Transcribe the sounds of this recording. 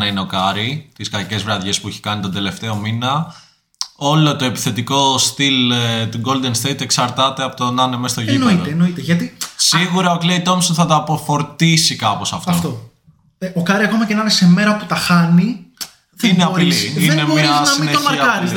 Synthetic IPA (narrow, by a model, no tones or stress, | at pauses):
nɐineo̞kɐɾit̪iskɐce̞zvɾɐðʝe̞spuiçe̥kɐnit̪o̞nd̪e̞le̞ft̪e̞o̞minɐ | o̞lo̞t̪o̞e̞pi̥θe̞t̪iko̞st̪ilt̪oɡo̞ld̪e̞nst̪eit̪eksɐɾt̪ɐt̪e̞ɐpot̪onɐnemest̪o̞ʝinoit̪eeno̞it̪eʝɐt̪isiɣuɾɐoklejt̪o̞msonθɐt̪ɐːpo̞fo̞ɾt̪isikɐpo̞sɐft̪ɐfoft̪o | eokɐɾiɐko̞mɐcenɐnesemeɾɐoput̪ɐxɐni | ðineɐiliinemmɲɐɐsineoɐɐɐɾiz